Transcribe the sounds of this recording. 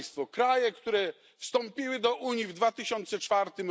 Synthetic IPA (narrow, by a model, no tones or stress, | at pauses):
st̪fɔkɾajɛkt̪uɾɛ | fst̪ɔmpʲiwɘd̪ɔʔuɲjivd̪vat̪ɘɕɔnt̪sɛt͡ʂfaɾt̪ɘm